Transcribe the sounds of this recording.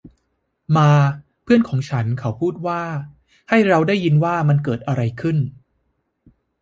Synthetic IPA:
maː˧ | pʰɯ˥˩ənkʰɔː˩˦ŋt͡ɕʰa˦˥nkʰa˩˦˥wpʰuː˥˩t̪̚waː˥˩ | ha˥˩jɾa˧wdaː˥˩jːi˧nwaː˥˩ma˧nkɤː˨˩t̪̚ʔa˧ɾa˧jkʰɯ˥˩n

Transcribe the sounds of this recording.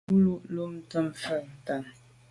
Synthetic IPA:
u˦lu˦ʔlo˦m̩˦tə˦mfə˦˨n̩˨ta˨n

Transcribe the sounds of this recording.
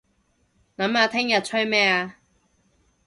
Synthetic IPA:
nɐ˨˥maː˨˧t̪ʰɪ˥ŋjɐ˨t̚t͡ɕʰɵ˥mɛː˥aː˧

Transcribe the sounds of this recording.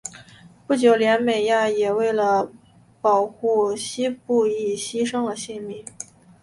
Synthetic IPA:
pu˥˩t͡ɕjo˨˩ʊljɛ˧˥nme˨˩ɪja˥˩jɛ˨˩we˥˩ɪlə˩ | pɑ˨˩ʊxu˥˩ɕi˥pu˥˧i˥˩ɕi˥ʂɤ˥ŋd̪ə˨ɕi˥˩nmi˥˩˦

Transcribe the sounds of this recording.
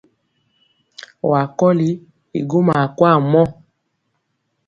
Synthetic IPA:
ɔ˨a˨kɔ˦li˨˦ | ḭ˨ɡo˦ma˨kwa˦˨mɔ˦

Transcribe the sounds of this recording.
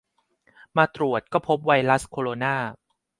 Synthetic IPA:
maː˧t̪ɾu˨˩ət̪̚kɔː˥˩pʰo˦˥p̚wa˧jɾa˦˥skʰoː˧ɾoː˧naː˥˩

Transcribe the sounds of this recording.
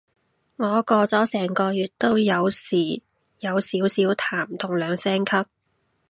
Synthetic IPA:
ŋɔː˨˧kɔː˧t͡sɔː˨˥sɛː˨˩ŋkɔː˧jyː˨t̚t̪o˥wjɐ˨˧wsiː˨˩ | jɐ˨˧wsiː˨˥wsiː˨˥wt̪ʰaː˨˩mt̪ʰʊ˨˩ŋlœː˨˧ŋsɛː˥ŋkʰɐ˥p̚

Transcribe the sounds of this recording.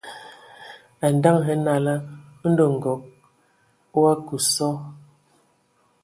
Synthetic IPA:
a˨n˨da˦ŋɦɛ˨˦na˨la˦n̩˦do˨ŋ̩˨ɡɔ˨k̚ | wa˦ku˨sɔ˦

